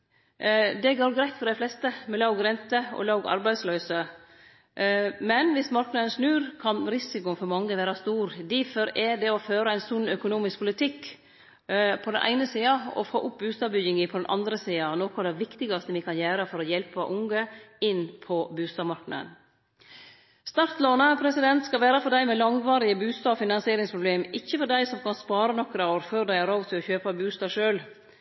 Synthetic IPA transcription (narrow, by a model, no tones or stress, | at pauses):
d̪ɛɡoːɾɡɾæɪt̪fɔɾɖ̪æɪflɛst̪əmɛlɑʊɡɾɛnt̪əɔ̰lɑʊɡɑ̰ɾbæɪd̪slœʏsə | mɛnʋɪsmɑɾknəənsnʉːɾkʰɑnɾɪsɪkʊnfɔɾmɑŋːəʋæːɾɑst̪uːɾd̪ifɔɾɛɖ̪ɛɔføːɾəæɪnsʊnːœkʊnuːmɪsk̚pʰʊlɪt̪ʰɪkː | pʰɔd̪ɛnʔæ̰ɪnəsiːɑɔ̰fo̰ːʔʊp̚bʉːst̪ɑːbʏɡɪŋɪpʰɔd̪ɛnʔɑ̰nd̪ɾəsiːɑnɔkʊd̪ɛʋɪkt̪ɪɡɑst̪əʋɪkʰɑnjæːɾəfɔɾɔjɛlpəʔʊŋɡəɪnːpʰɔbʉːst̪ɑːmɑɾknɑ̰ə̰n | st̪ɑɾt̪loːnəpʰɾɛsɪd̪ɛnt̪skɑʋæːɾəfɔɾɖæɪmɛlɑŋʋɑːɾɪəbʉːst̪ɑːɔfɪnɑnsɪeːɾɪŋspʰɾʊbleːmɪçːəfɔɖæɪsɔmkʰɑnspɑːɾənɔkɾəoːɾføːɾɖ̪æɪæɾɑːɡt̪ʰɪlɔçøːpəbʉːst̪ɑːʂøːl